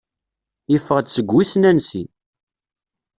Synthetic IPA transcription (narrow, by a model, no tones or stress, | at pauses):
ifːəʁd̪t͡sːəɡʷːisnænsḭ